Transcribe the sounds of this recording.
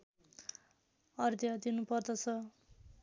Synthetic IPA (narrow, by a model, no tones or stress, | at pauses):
ʌrd̪jʌd̪inupʌrd̪ʌt͡sʰʌ